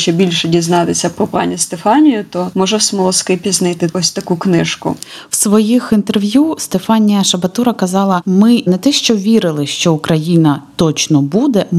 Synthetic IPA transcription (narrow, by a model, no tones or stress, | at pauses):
ʃt͡ʃɛbʲilʲʃɛdʲiznɑt̪esʲɐpɾɔpɑ̰nʲist̪efɑnʲijʊt̪ɔmɔʒɛwsmɔlˠɔskɪpʲiznɪt̪ɪɔsʲt̪ɐkuknɪʃkʊ̰ | wsʋɔjixint̪erʋʲjust̪efɑnʲijɐʃɐbɐt̪uɾɐkɐzɑlˠɐmɪnɛt̪ɛʃt͡ʃɔʋʲiɾɪlˠɪʃt͡ʃɔʊkɾɐjinɐt̪ɔt͡ʃnɔbud̪ɛ